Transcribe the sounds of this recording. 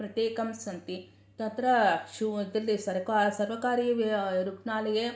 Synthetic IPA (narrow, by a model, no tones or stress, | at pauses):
pɾɐt̪jeːkɐmsɐnt̪i | t̪ɐnt̪ɾɐʃud̪ilːisɐɾkasɐɾʋɐkaːɾiʋɾuknaːlɐje